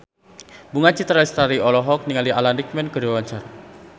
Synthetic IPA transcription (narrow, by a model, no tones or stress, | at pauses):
buŋat͡ʃit̪ɾaist̪aɾiɔlɔɦɔk̚niŋalialandik̚mɛnkədiwawaɲt͡ʃar